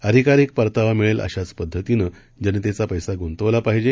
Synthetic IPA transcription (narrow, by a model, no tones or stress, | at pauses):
əd̪ʱikaɾiːk̚pəɾt̪aʋamiɭelʔə̰ɕat͡spəd̪ʱːət̪inə | d͡ʑanet̪et͡sapəjsaɡont̪əʋlapaɦd͡ʑe